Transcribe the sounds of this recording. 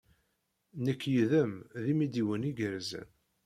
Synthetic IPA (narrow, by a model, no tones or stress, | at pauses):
nəkːjiðəmðimid̪iwəniɡəɾzə̰n